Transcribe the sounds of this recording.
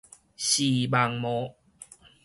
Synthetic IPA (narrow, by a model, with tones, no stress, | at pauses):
ɕi˨˩ba˧˩ŋmɔ˧˦